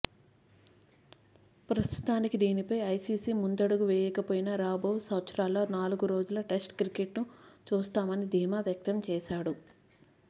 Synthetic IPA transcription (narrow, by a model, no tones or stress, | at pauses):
pɾɐst̪u̥t̪aːnikid̪iːnipɐjɐjsiːsiːmund̪ɐɽuɡuʋɛːjɛkɐpoːjinɐɾaːbɐwusɐwt̪sɐɾaːlːo̞ːnaːluɡuɾo̞ːd͡ʒulɐʈesʈkɾikeʈnut͡ʃuːst̪aːmɐnid̪ʱiːmaːʋjɐk̚t̪ɐmt͡ʃɛːʃaːɽu